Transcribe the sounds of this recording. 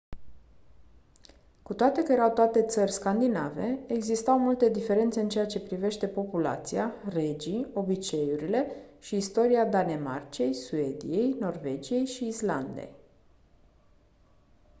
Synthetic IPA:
kut̪oat̪e̞kəjeɾawt̪oat̪e̞t̪sərʲskand̪inave̞eɡzist̪awmult̪e̞d̪ife̞ɾe̞nt̪se̞ɨnt͡ʃe̞at͡ʃe̞pɾive̞ʃt̪e̞po̞pula̰t̪sijare̞d͡ʒio̞bit͡ʃe̞juɾile̞ʃiːst̪o̞ɾiad̪ane̞ma̰rt͡ʃie̞jsue̞d̪ḭje̞jno̞rve̞d͡ʒije̞jʃiːsla̰nd̪ḛj

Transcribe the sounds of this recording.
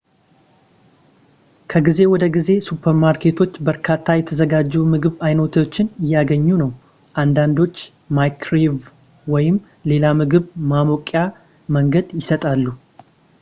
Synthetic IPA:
kʰəɡize̞wɔd̪əɡize̞supʰəɾmaɾkʰe̞t̪ʰo̞t͡ʃːbəɾkʰat̪ʰːajɛt̪ʰəzəɡad͡ʒːumɨɡɨβajno̞t̪ʰot͡ʃːɪnɪjːaɡəɲːunəw | ʔand̪and̪o̞t͡ʃː | majkʰɾev | wɔjɪm | le̞lamɨɡɨβmamokʼja | məŋɡəd̪jɪsət̪ʼalːu

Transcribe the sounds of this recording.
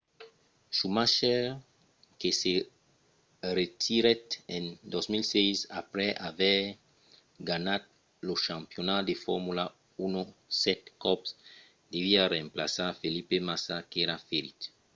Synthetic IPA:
sumaʃɛ | kese | ret̪ʰiɾɛt̪ɛ̃nd̪ɔzmilsɛjsa̰pɾɛʔavɛ | ɡanat̪̚ | loʃãmpjonad̪efɔɾmula | unosɛt̪kɔps | d̪eviarẽmpla̰safelipemasakeɾafeɾit̪

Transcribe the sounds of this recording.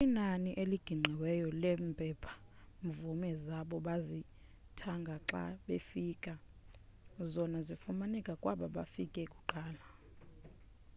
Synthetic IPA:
inaniʔeliɡ̥ʱiŋ͡ǀʱɛwɛjɔlɛmpʼɛpʰḁ | ɱvumɛzaɓɔɓazi | tʰaŋɡʱaǁa̰ɓefiːkʼa | zɔnazifumanɛkʼakʼwaɓaɓa̰fikʼɛkʼu̥ǃaːla

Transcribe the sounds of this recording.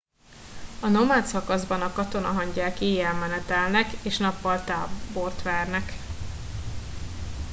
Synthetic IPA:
ɒnomaːt̪sɒkɒzbɒnɒkɒt̪o̞nɒɦɒɲɟaːkeːjɛlmɛnɛt̪ɛlnɛkeːʃnɒpːɒlt̪a̰ːbo̞rt̪ʋɛrnɛk

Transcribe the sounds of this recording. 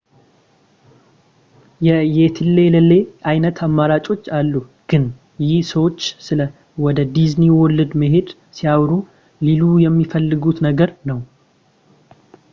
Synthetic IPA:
jɛjɛt̪ʰɨlːeləlːe̞ʔajnət̪ʰamːaɾat͡ʃʼo̞t͡ʃːalːuɡ̥ɨn | jɪhsəwot͡ʃːsɨlə | wɔd̪əd̪izniwɔlːɨd̪məɦe̞d̪ | sijawɾu | lilujɛmːifəlːɨɡut̪nəɡəɾnəw

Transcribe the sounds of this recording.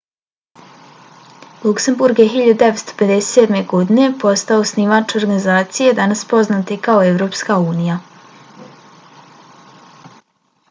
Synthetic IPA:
lˠukse̞mbuɾɡjeɦiʎad̪ud̪eʋet̪st̪o̥pe̞d̪ese̥t̪sed̪me̞ɡo̞d̪ine̞po̞st̪aosnimat͡ʃo̞ɾɡanizaːt̪sije̞d̪anaspo̞znaːt̪ikaoe̞ʋvɾo̞ːpskauːnija

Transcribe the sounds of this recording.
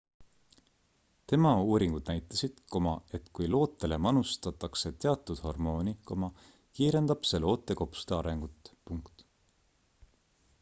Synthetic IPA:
t̪e̞mɑuːɾiŋɡud̪̥næjt̪ːˑɑsid̪̥ko̞mɑe̞t̪ːˑkujlo̞ːt̪ːˑele̞mɑnust̪ɑt̪ːˑɑkse̞t̪e̞ɑt̪ːˑud̪̥ho̞rmo̞ːniko̞mɑ | kiːɾe̞nd̪̥ɑb̥se̞lo̞ːt̪ːˑe̞ko̞psu̥d̪e̞ɑɾe̞ŋɡ̥ut̪ːˑpuŋkt̪

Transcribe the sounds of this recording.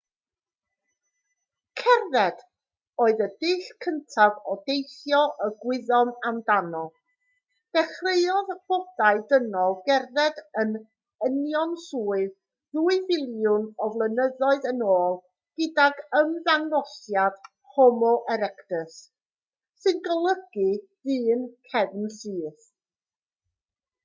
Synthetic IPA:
kʰɛrðɛd̥ | oːɨðədɪːɬkʰəntʰavɔdejθjɔʔəɡwɪðɔmamdanɔ | d̥ɛχrejɔðb̥ɔd̥aɨdənɔlˠɡɛrðɛdən | ənjɔnsuːɨð | ðuːɨvɪlˠjʊnɔvlˠənəðɔɨðənoːlˠ | ɡ̥ədaɡəmðannɔsjad̥ | hɔmɔʔɛɾɛkdəs | sɨnɡəlˠəɡ̥ɨðɨːnkʰɛvnsɨːθ

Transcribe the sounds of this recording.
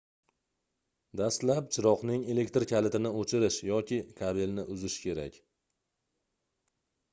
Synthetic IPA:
d̪ast̪lapt͡ʃʰɪɾɒqnɪŋe̞le̞kʲt̪ɾkʲʰalɪt̪ʰɪnɪot͡ʃʰɪɾɪʃjɒkʲʰɪkʰabɪlnɪʔʊzɪʃkʲʰe̞ɾa̰kʲ

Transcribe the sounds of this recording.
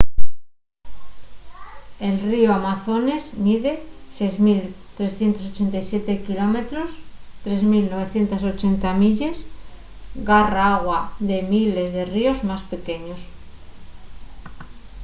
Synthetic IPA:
e̞lrioamaθo̞ne̞zmiðe̞sejzmilt̪ɾe̞sθje̞nt̪o̞s̬ot͡ʃe̞nt̪ajsjet̪e̞kilo̞me̞t̪ɾost̪ɾe̞zmilno̞βe̞θje̞nt̪aso̞t͡ʃe̞nt̪amiʎes | ɡaraaɣwaðe̞mile̞zðe̞rio̞zmaspe̞ke̞ɲo̞s

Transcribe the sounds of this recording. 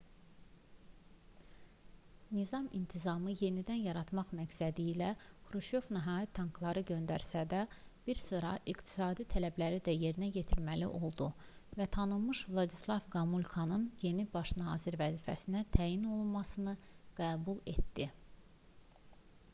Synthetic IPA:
nizɑmint̪ʰizɑmɯje̞nid̪ænjɑɾɑt̪mɑχmæksæd̪iːlæxɾuʃo̞vniɦɑːjit̪ʰːɑŋkʰlˠɑɾɯɟø̞nd̪æɾsæd̪æb̥iɾsɯɾɑ̰ʔikt̪ʰi̥sɑːd̪it̪ʰælæblæɾid̪æje̞ɾinæɟe̞t̪ʰiɾmælḭʔo̞lˠd̪uvæt̪ʰɑnɯlˠmɯʃvlˠɑd̪islˠɑvɡɑmulʲkʰɑnɯnje̞nibɑʃnɑːziɾvæziːfæsinæt̪ʰæːjino̞lˠunmɑsɯnɯɡ̥æːbulˠe̞̰t̪d̪i

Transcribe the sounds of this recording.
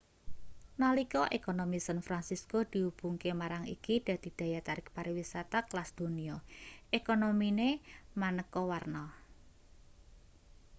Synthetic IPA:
nɔlikɔʔekonomisanfɾansiskod̪̥i̤ub̥ṳŋkemaɾaŋḭkid̪̥a̤d̪̥i̤d̪̥ä̤jat̪aɾɪk̚paɾiwisat̪aklasd̪̥ṳniɔʔekonominemanəkɔwarnɔ

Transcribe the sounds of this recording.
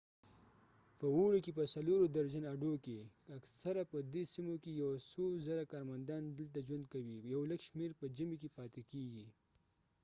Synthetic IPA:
pəwoɽekepəsaloɾod̪aɾd͡ʒanaɖokeaksaɾapəd̪esimokejawasozaɾakɑɾmand̪ɑnd̪əlt̪ad͡ʒwand̪̚kawijawləɡʃmeɾpəd͡ʒəmikepɑt̪ekeɡi

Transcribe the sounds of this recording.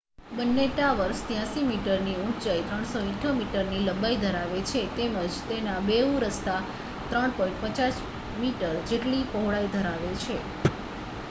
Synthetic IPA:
bənːeʈaʋəɾʃt̪jãsimiʈəɾniũt͡ʃajt̪ɾəɳ̃soĩʈʰomiʈəɾniləbaid̪ʱəɾaʋet͡ʃʰet̪eməd͡ʒt̪enabeũɾəst̪a | t̪ɾəɳ̃pɔ̃ĩɳʈpət͡ʃas | miʈəɾd͡ʒeʈlipɔɦɽaid̪ʱəɾaʋet͡ʃʰe

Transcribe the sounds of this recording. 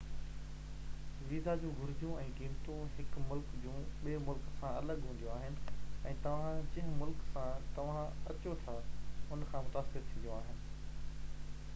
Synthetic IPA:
ʋiːzad͡ʑũːɡʱʊɾɪd͡ʑjũɛ̃ːɡĩːmt̪ũɦɪkmʊlkd͡ʑũːɓiemʊlksãɐləɡɦũːn̆d̪ijõaːɦɪnɪ̆ɛ̃ːt̪ɐʋ̤ãd͡ʑɐ̃ɦɪ̃̆mʊlksãt̪ɐʋ̤ãɐ̰t͡ɕot̪ʰaʊnkʰãːmʊt̪aːsɪɾt̪ʰĩːndijõaːɦɪnɪ̆

